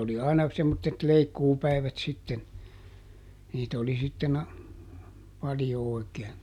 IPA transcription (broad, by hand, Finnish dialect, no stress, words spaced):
oli ɑinɑ semːotːet leikːuːpæi̯ʋæt sitːen niːtæ oli sitːen ɑ pɑljo oˑi̯keːn